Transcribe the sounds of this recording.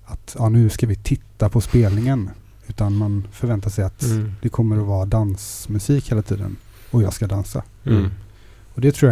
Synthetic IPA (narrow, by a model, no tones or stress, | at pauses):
at̪jɑːnʉ̟ːskavɪt̪ʰɪt̪ːapʰɔspeːlnɪŋən | ʉ̟ːt̪anmanfœɾvɛnt̪aʂɛjat̪d̪̥ɛkʰɔmːəɾɔvɑːɾad̪ansmɵsiːkheːlat̪ʰḭːd̪ə̰n | ɔjɑːɡskad̪ansa̰ | ɔd̪ɛt̪ʰɾuːja